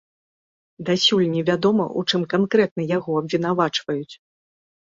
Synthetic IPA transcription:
d̪asʲulʲnʲivʲad̪ɔmɐ̰ʔut͡ʂɨmkankɾɛt̪̚nɐjaɣɔɐbvʲin̪avat͡ʂvɐjut͡sʲ

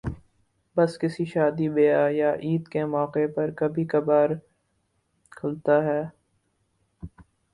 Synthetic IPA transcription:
bɐskɪsiʃaːd̪ibeːajaʔiːd̪kemɔːqepɐɾkɐbʱikɐbaːɾ | kʰʊlt̪aɦɛː

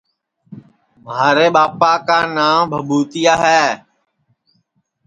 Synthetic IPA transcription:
mɦaːɾeːɓaːpaːkaːnaːmbʱəbuːt̪ɪjaːɦɛː

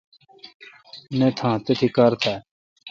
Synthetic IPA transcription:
nẽt̪ʰãːt̪et̪ʰikaɾt̪ʰa

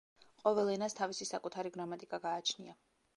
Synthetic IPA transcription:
qʼɔvɛlˠɛnast̪ʰavisisakʼut̪ʰaɾiɡɾamat̪ʼikʼaɡaːt͡ʃʰnḭa

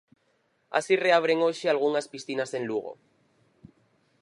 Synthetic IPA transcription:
a̰sire̞aβ̞ɾe̞ŋoʃealɣ̞uŋaspisθinase̞nluɣ̞o̞̰

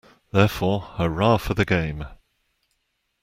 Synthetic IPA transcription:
ðɛːˑfɔːəɹɑːfəðəɡẽɪ̃m

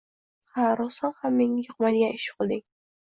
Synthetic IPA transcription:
haɾɒsɒnhamːeŋɪjoq̚mad̪ɪɡʲanɪʃɪ̥qʰɨlˠd̪ɪŋ

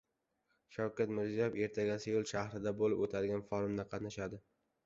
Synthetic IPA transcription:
ʃawkʲat̪mɪɾzijɒjfe̞ɾt̪ʰaɡʲasɪjolˠʃahɾɪd̪abolɪpot̪ʰad̪ɪɡʲanfɒɾʊmd̪aqʰɑt̪naʃad̪ɪ

